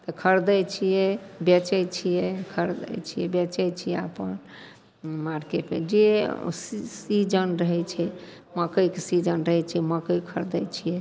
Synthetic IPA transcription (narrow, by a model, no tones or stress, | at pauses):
t̪əkʰəɾd̪əjt͡ʃʰijɛbɛt͡ʃəjt͡ʃʰijɛkʰəɾd̪ə̰jt͡ʃʰijɛbɛt͡ʃəjt͡ʃʰijɛapən | maɾkeʈmḛd͡ʒessid͡ʒənɾəɦɛt͡ʃʰɛ | məkəjkesid͡ʒənɾəɦɛt͡ʃʰijɛməkəjkʰəɾd̪əjt͡ʃʰijɛ